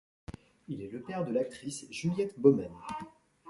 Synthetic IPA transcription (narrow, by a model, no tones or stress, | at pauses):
ilɛləpɛʁd̪əlak̚t̪χisʒyljɛt̪bɔmɛn